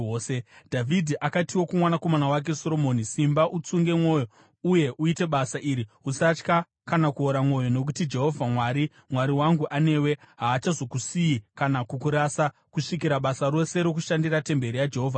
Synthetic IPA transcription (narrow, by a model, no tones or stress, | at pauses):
sedʱavʱidʱiʔakatiwo̞kumwanako̞manawak̬e̞so̞ɾo̞monisimbaʔut͡suŋɡe̞mwo̞jo̞ | uje̞ʔuite̞ɓasaʔiɾiusat͡ʃka | kanakuoɾamwo̞jo̞no̞k̬utid͡ʒe̞ɦo̞vʱamwaːɾi | mwaɾiwaŋɡuʔane̞ːwe̞ɦaːt͡ʃazo̞kusijikanakukuɾasa | kuʂik̬iɾaɓasaɾo̞se̞ɾo̞k̬uʃandirate̞mbe̞ɾijad͡ʒeɦo̞ːvʱa